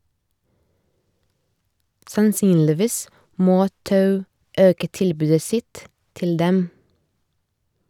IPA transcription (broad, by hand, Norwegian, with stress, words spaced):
sɑnˈsyːnlɪˌʋiːs ˈmoː ˈtɑʉ ˈøːkə ˈtɪlbʉːdə ˈsɪt ˈtɪl ˈdɛm